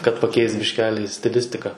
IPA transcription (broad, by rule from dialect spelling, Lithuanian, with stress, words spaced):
kɐt pɐˈkʲɛɪst bʲɪʃʲˈkʲæːlʲɪ sʲtʲɪˈlʲɪsʲtʲɪkɐ